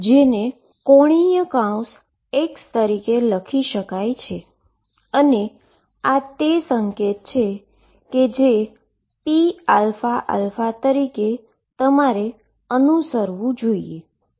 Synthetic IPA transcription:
d͡ʒene | koɽ̃ijəkãũs | ekst̪əɾikeləkʰiʃəkajt͡ʃʰe | əne | at̪esəŋket̪̚t͡ʃʰe | ked͡ʒe | pialfaʔa̰lfat̪əɾike | t̪əmaɾe | ənusəɾʋũd͡ʒoie

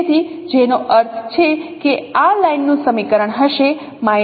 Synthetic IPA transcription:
t̪ʰid͡ʒenoʔəɾt̪ʰt͡ʃʰekealajnːũsəmikəɾəɳɦəʃe | ma

